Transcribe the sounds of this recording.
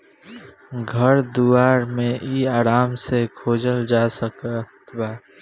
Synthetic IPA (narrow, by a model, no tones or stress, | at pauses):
ɡʱəɾd̪uaːɾmẽʔiaːɾaːmsekʰoːd͡ʒəld͡ʒaːsəkət̪baː